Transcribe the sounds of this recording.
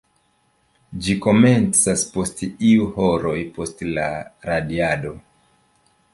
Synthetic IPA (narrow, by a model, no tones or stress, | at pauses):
d͡ʒiko̞me̞nt͡saspo̞stiuhoɾo̞jpo̞stla̰ɾadiado̞